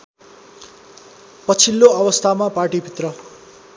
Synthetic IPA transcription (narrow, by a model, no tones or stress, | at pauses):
pʌt͡sʰilːoʌbʌst̪ʰamaparʈibʱit̪rʌ